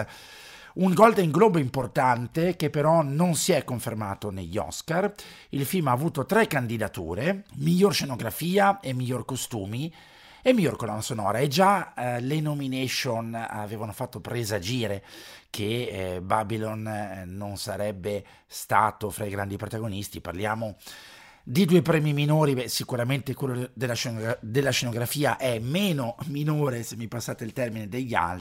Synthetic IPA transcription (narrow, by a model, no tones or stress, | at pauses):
uŋɡɔld̪iŋɡlɔːboimport̪ant̪ek̟epːeɾɔnonsiɛkːoɱfermaːt̪oneʎːɔ̰skar | ilfilmaːvuːt̪ot̪ɾɛkːand̪id̪at̪ṵːɾemiʎːorʃenoɡɾafiːaemːiʎːorkost̪uːmi | emːiʎːorkolanasonɔ̰ːɾaed͡ʒalenomineʃona̰veːvanofat̪ːopɾezad͡ʒiːɾekʰebabilonːonsaɾɛbːe | st̪a̰ːt̪ofɾaiɡɾand̪ipɾot̪aɡonist̪iparljaːmo | d̪id̪uːepɾɛːmiminoːɾibɛsikuɾament̪ekwelːod̪elːaʃd̪elːaʃenoɡɾafiːaʔɛmeːnominoːɾesemːipasːaːt̪eilt̪ɛrmined̪eʎːa̰lt